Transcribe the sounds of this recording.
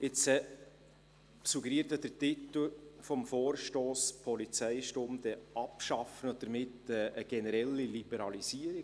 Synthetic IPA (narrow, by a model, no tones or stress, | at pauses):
ɪt͡sɛ | suɡəɾiəɾtɑd̥ətitəl̩fɔmfoːrʃtoːspʰɔlit͡sæɪʃtomd̥ɛʔɑpʃɑfənɔd̥əɾmɪtɛəɡ̥ɛnəɾɛlːilib̥ɛɾɑlisiəɾi